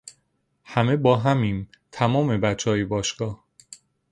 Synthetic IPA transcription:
hæme̞bɒːɦæmiːn | t̪ʰæmɒːme̞bæt͡ʃʰːɒːjebɒːʃɡ̥ɒːh

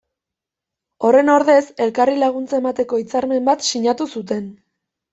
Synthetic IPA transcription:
o̞re̞no̞ɾðe̞se̞lkarilaɣ̞unt͡saemat̪e̞ko̞it͡saɾme̞mbat̪siɲat̪usut̪e̞n

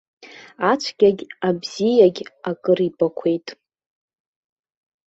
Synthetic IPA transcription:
at͡ʃʷʰɡʲaɡʲabz̥ijaɡʲakʼɨribʼakʷʰe̞jtʼ

